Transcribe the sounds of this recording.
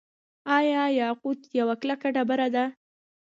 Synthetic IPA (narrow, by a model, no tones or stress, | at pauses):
ɑjɑjɑqud̪jawaklakaɖabaɾad̪a